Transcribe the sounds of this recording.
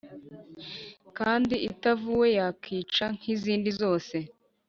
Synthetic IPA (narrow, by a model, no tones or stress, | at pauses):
kaːndiitavuwe̞jakʰiːt͡ʃaŋ̥iziːndizo̞ːse̞